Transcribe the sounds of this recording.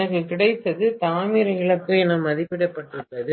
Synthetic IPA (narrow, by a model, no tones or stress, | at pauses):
nɐkːɯkɪɽɐɪt̪ːɐðɯt̪aːmiɾɐɪɭɐkːɯɛnɐmɐðɪpːɪɽɐpːɐʈːɯʈːɐðɯ